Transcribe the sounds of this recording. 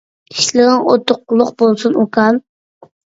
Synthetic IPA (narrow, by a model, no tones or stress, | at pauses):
iʃlɨʁənot̪ʰːʊqːʊlˠʊqbolˠsunokʰɑlˠ